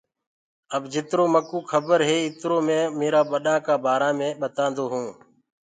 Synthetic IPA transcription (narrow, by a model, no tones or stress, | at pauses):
əbd͡ʒɪt̪ɾoːməkũːkʰəbəɾɦeːɪt̪ɾoːmẽːmeːɾaːɓəɗãːkaːbʱaːɾãːmẽːɓət̪ãːnd̪oːɦũː